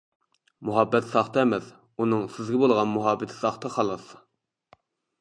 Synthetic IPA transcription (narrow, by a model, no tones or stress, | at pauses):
muɦɑbːɛt̪sɑχt̪ʰɑæmɛs | unɨŋsɪzɡʲɛbolˠʁɑnmuɦɑbːɪt̪ʰɪ̥sɑχt̪ʰɑχɑlˠɑs